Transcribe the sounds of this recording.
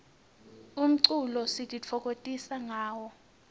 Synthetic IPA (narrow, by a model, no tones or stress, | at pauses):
um̩ǀulɔsitʼit͡fʰɔkʼotʼisaŋaːwɔ